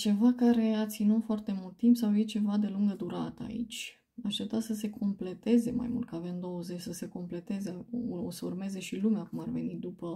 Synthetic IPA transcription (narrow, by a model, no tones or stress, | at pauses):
t͡ʃe̞vakaɾe̞at̪sinut̪foart̪e̞mult̪̚ːimpsawjet͡ʃe̞vad̪e̞luŋɡəd̪uɾat̪əa̰ḭt͡ʃʲ | aʃt̪ep̚t̪at̪səse̞kʰo̞mple̞t̪e̞ze̞ma̰jmult̪kəavemd̪o̞wəze̞t͡ʃʲsəse̞ko̞mple̞t̪e̞zeauosəurme̞ze̞ʃilumeakumarve̞nit̪̚d̪upə